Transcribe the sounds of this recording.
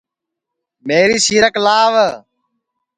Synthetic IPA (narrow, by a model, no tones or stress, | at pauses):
meːɾiːsiːɾəklaːʋə